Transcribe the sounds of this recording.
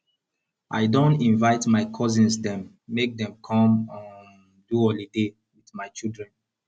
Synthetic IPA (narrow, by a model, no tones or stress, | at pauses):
ʔaɪdõntĩnvaɪtmaɪkʰɔzĩnsdɛ̃mː | ek̚dɛ̃mkʰɔ̃mɔ̃n | duɔlide | wiθmaɪt͡ʃildɹɛ̃n